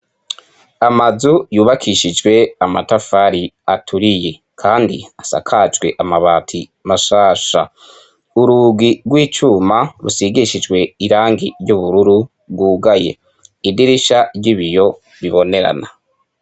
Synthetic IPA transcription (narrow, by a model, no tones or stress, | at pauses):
amazujuːβakʰiʃid͡ʒɡwe̞amatafaɾiatʰuɾije̞ | kʰaːndḭasa̰kʰad͡ʒɡwe̞ʔamaβaːtʰimaʃaːʃa | uɾuɡiɡwiːt͡ʃuːmaɾusiɡiʃid͡ʒɡwe̞iɾaːŋɡiɾɟuβuɾuɾu | bɡuːɡaje̞̰ | idiɾiʃaɟiβijo̞ | βiβo̞ne̞ɾa̰na